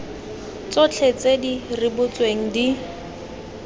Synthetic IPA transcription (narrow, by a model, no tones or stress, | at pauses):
t͡sɔt͡ɬʰet͡sedirɪbʊt͡sweŋ̩di